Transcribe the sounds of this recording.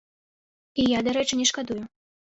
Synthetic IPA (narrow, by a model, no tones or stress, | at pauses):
ijad̪aɾɛt͡ʂɨnʲɛʂkad̪uju